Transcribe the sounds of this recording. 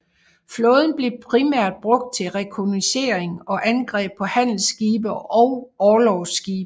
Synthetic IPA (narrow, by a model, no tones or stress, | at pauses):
flɔ̽ːð̞ˠn̩b̥le̝pʰʁimæɐ̰d̥̚b̥ʁɔ̽ɡ̥̚d̥̚t͡sʰe̝ʁɛkʰonise̝̰ɐeŋɒ̽ʔænɡ̥ʁɛ̰ːb̥̚pʰɒ̽hæn̰l̩sɡ̥iːb̥ɐɒ̽ʊɒːlɒʊsɡ̥iːb̥